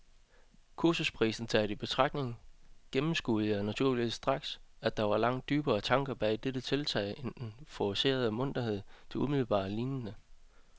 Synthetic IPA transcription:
kʰuɐsuspʰʁḭːsn̩t͡sʰɛɪɾ̥əib̥e̝t͡sʰʁɑ̈ɡ̥̚ne̝ŋɡ̥emm̩sɡ̥uːð̩ˠɒnæt͡sʰuɐ̰liʋḭsd̥ʁɑ̈ɡ̥sæd̥ɑ̈ʋɑ̈lɑ̈ŋ̰d̥̚yːb̥ɐːt͡sʰɑ̈ŋɡ̥ɐb̥ɛ̰ːd̥eɾ̥ət͡sʰe̝lt͡sʰɛ̰ɪ̰end̥enfɒse̝̰ːɐð̞ˠmɔ̽n̰d̥ɐhe̝ð̰ˠt͡sʰe̝umiðˠl̩b̥ɑ̰̈ːliːnjənə

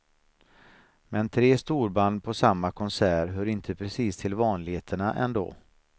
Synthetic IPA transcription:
mɛnt̪ʰɾeːst̪uːɾband̪pʰɔsamːakʰɔnsæːɾɦœɾɪnt̪ʰəpʰɾɛsiːst̪ʰɪlvɑːnlɪɡheːt̪ʰəɳaʔɛ̰nd̪o̰ː

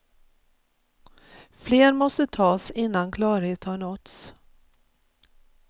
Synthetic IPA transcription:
fleːɾmɔst̪ət̪ʰɑːsɪnːankʰlɑːɾheːt̪haɳɔt̪s

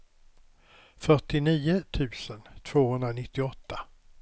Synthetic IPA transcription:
fœʈɪniːʊt̪ʰʉ̟ːsənt̪ʰv̥oːhɵnd̪ɾanɪt̪ːɪɔt̪ʰːa

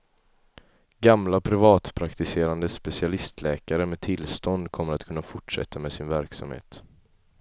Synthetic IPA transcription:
ɡamlapʰɾɪvɑːt̪pʰɾakt̪ɪseːɾand̪əspɛsɪalɪst̪ʰlɛːkaɾəmɛːt̪ʰɪlːst̪ɔnd̪kʰɔmːəɾat̪kʰɵnːafʊʈʂɛ̰t̪ʰːamɛsɪnvæɾksa̰mhḛːt̪

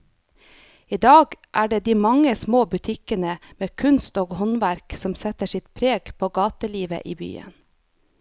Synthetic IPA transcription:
ɪd̪ɑːɡʔæːɖeːd̪iːmɑŋəsmoːbʉt̪ʰɪkənəmeːkʰʉnst̪oːɡhɔnʋæɾksɔmsɛt̪əʃɪt̪pʰɾeːɡpʰoːɡɑːt̪əliːʋə̰ʔiːby̰ːə̰n

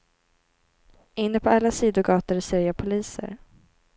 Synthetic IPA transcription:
ɪnːəpʰɔalːasiːd̪ʊɡɑːt̪əɾɪseːɾjapʰʊliːsə̰ɾ

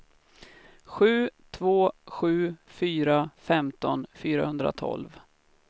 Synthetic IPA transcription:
ɧʉ̟ːt̪ʰvoːɧʉ̟ːfyːɾafɛmt̪ɔnfyːɾa̰hɵnd̪ɾa̰t̪ʰɔ̰lv

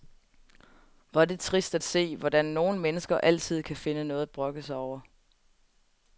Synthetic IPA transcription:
ʋɑ̈de̝t͡sʰʁisd̥æd̥se̝̰ːʋɒdænːo̝ːn̩menəsɡ̥ɐʔæl̰t͡sʰið̞̰ˠkʰæfe̝nənɔ̽ːð̩ˠædb̥ʁɔ̽ɡ̥əsɑɒʊ̰ɐ

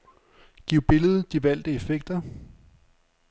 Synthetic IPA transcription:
ɡ̥iʊ̰b̥e̝ləð̞̩ˠd̥iʋæl̰d̥əe̝feɡ̥̚d̥ɐ

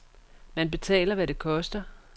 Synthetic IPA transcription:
mænb̥e̝t͡sʰɛ̰ːlɐʋæɾe̝kʰɒ̽sd̥ɐ

